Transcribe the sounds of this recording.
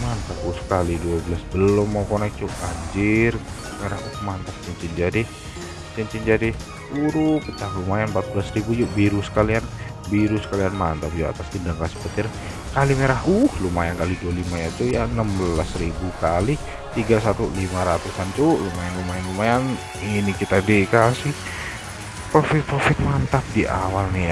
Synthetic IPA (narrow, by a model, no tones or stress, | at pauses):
mant̪akusə̥kaliduabəlasbəlʊmːawkɔnɛk̚t͡ʃuʔɡaɲd͡ʒɪr | meɾahuhmant̪ak̚t͡ʃəɲt͡ʃind͡ʒadi | t͡ʃəɲt͡ʃind͡ʒadi | t̪uɾupət͡ʃaklumajanmpat̪̚bəlasribud͡ʒuʔbiɾusə̥kalian | biɾusə̥kalianmant̪apd͡ʒua̰t̪ast̪indaŋkasə̥pət̪ɪr | kalimeɾaɦuhlumajankalidualimaɲat̪ujanəmbəlasɾibukali | t̪iɡasat̪ulimaɾat̪usant͡ʃulumajanlumajanlumajan | inikit̪adikalsɪh | pɾofɪt̪̚pɾofɪt̪̚mant̪ap̚diʔa̰walnɪ